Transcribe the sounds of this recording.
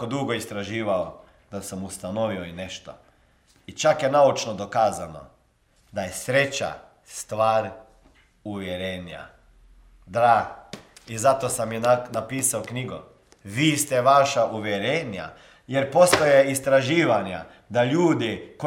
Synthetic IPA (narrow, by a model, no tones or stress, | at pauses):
od̪uɡo̞ist̪ɾaʒiːʋao | d̪̥asamust̪ano̞ʋioine̞ʃt̪o̰ | it͡ʃakjenaut͡ʃnod̪o̞kaːzano̞̰ | d̪ajesɾet͡ʃa̰ | st̪ʋaːɾ | uʋjeɾeːnja̰ | d̪ɾaː | izat̪osaminnapiːsaokniɡṵ | ʋiːst̪eʋaʃaʔuʋjeɾenja̰ | jeɾpo̞st̪ojeist̪ɾaʒiːʋaɲa̰ | d̪aʎuːd̪iko